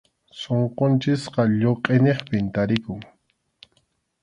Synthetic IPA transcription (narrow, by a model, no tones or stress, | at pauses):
soɴqont͡ʃɪsqɑʎoqʼeneχpɪnt̪aɾɪkʊŋ